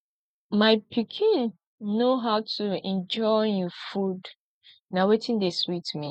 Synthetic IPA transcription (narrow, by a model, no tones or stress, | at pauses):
maɪpʰikʰĩnː | oɦaʊtuɛ̃nd͡ʒɔɪũfud | nawetʰĩndeswitmi